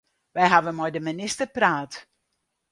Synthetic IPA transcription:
ʋɛjɦaʋənmɔjdəminɪstərpraːt

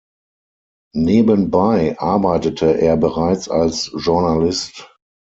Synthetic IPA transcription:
neːbənbaɪʔaɐbaɪtətʰəʔeːɐbəʁaɪt͡salsʒuɐnalɪst

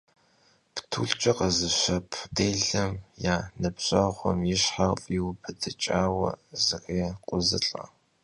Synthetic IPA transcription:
ptʰṵːɮt͡ʃʼɐqɐzɨɕʷɐpʰdeːɮɐmjaːnɨpɕɐʁʷɔmjɪɕħafʼjiwpʰɨdʰɨt͡ʃʼaːwɐ̰zɨreːqʷʼʊzɨ̰ɬʼɐ̰

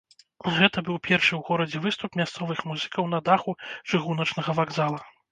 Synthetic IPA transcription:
ɣɛt̪ɐbɨwpʲɛrʂɨwɣɔɾɐd͡zʲɛvɨst̪upmʲast̪sɔvɨxmuzɨkɐwn̪ɐd̪axut͡ʂɨɣunɐt͡ʂnɐɣɐvaɡzalˠɐ

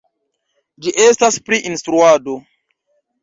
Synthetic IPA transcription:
d͡ʒiʔestaspɾiʔinstɾuado

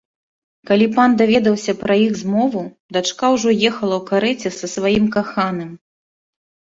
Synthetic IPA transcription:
kalʲipand̪avʲɛd̪ɐwsʲɐpɾɐjiɣzmɔvu | d̪at͡ʂkawʐɔjɛxɐlˠɐwkaɾɛt͡sʲɛsɐsvajimkaxanɨm

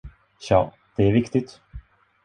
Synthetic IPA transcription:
ɕɑ̰ː | d̪̥ɛæɾvɪkt̪ɪt̪

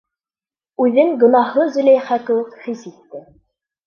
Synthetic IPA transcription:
ʉðɘŋɡɵ̆nɑhɤzɵ̆læjχækɘ̆wɘkχisit̪ːɘ

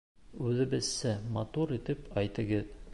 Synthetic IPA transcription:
ʉðɘ̆bɘ̆zsæmɑt̪uɾit̪ɘpɒjt̪ɤ̆ɡɤð

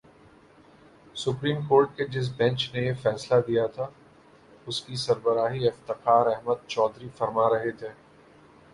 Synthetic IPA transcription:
sʊpɾiːmkoːɾʈ̚ked͡ʒɪs̬bɛ̃nt͡ʃnejefɛːslad̪ijat̪ʰa | ʊskisɐɾbəɾaːɦiɪft̪ɪqaːɾɛɦməd̪̚t͡ʃɔːd̪ɾifɐɾmaɾɐɦet̪ʰeː

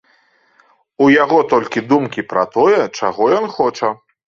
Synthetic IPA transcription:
ujaɣɔt̪ɔlʲkʲid̪umkʲipɾɐt̪ɔjɛt͡ʂaɣɔjɔnxɔt͡ʂɐ

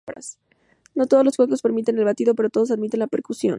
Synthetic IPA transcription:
ɾa̰s | no̞t̪o̞ð̞ozlosxweko̞spe̞ɾmit̪e̞ne̞lβat̪iðo̞pe̞ɾot̪o̞ðos̬aðmit̪e̞nlape̞ɾkusjo̞̰n

